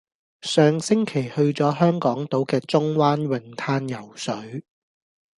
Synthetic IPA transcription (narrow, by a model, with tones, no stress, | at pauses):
sœː˨ŋsɪ˥ŋkʰe˨˩jhɵ˧ɥt͡sɔː˨˥ɦœː˥ŋkɔː˨˥ŋt̪o˨˥wkɛː˧t͡sʊ˥ŋwaː˥nwɪ˨˩ŋt̪ʰaː˥njɐ˨˩wsɵ˨˥ɥ